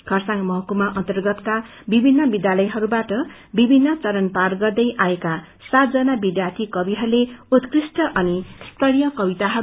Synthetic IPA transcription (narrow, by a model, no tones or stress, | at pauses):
ɡ̥ʰʱʌrsaŋmʌɦʌkumaʔʌ̰nt̪ʌrɡʌt̪ka | bibʱinːʌbid̪jalʌjɦʌɾubaʈʌ | bibʱinːʌt͡sʌɾʌnparɡʌrd̪ʌjʔaeka | sat̪̚d͡zʌnabid̪jart̪ʰikʌbiɦʌɾuleut̪krisʈʌʔʌnist̪ʌɽijʌkʌbit̪aɦʌɾu